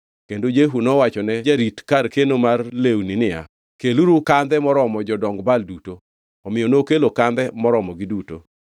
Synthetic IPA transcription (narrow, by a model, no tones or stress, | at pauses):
kendod͡ʒeɦunɔwat͡ʃɔnɛd͡ʒaɾitkarkenomarlewninɪja̰ | keluɾukand̪ɛmɔɾɔmɔd͡ʒɔdɔŋɡbalduto | ɔmɪjɔnokelokand̪ɛmɔɾɔmɔɡɪduto̰